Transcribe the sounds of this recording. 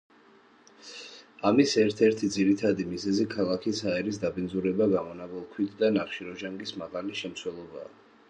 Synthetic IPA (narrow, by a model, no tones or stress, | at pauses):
amisɛɾt̪ʰɛɾt̪ʰid̪ziɾit̪ʰad̪imizɛzikʰalˠakʰisaɛɾis̬d̪abind̪zuɾɛbaɡamɔnabɛlˠkʰwit̪ʰd̪anaχʃiɾɔʒaŋɡismaʁaliʃɛmt̪sʰwɛlˠɔba̰ː